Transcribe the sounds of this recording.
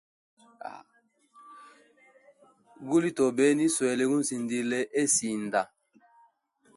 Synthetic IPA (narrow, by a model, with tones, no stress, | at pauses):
a̰˨ | ɡu˦li˦tɔ˨bɛ˨˦ni˦swɛ˨lɛ˨˦ɡu˦n̩˦si˨ndi˦lɛ˦ʔe˦si˨n˨da˨